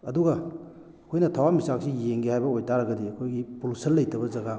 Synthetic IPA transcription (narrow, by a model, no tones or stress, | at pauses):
ɐduɡɐ | ɐkʰojnɐtʰawamisak̚sijeŋɡihajbɐojtʰaɾɐɡɐdiɐkʰojɡipulusɐnlːɐjtɐbɐzɐɡa